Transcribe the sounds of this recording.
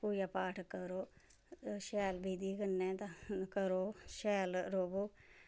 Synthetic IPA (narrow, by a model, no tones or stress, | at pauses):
puːjaːpaːʈʰkəɾoː | ʃɛːlbiːd̪iːkənːɛ̃ːt̪ãkəɾoːʃɛːlɾoːboː